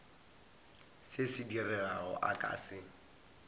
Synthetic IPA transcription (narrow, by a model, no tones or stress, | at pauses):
sɪsɪdirɛaɣɔ̰ʔakʼa̰ːsɪ